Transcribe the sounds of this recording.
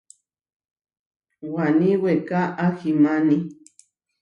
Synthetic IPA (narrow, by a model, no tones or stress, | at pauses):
wanĩwekaʔaximani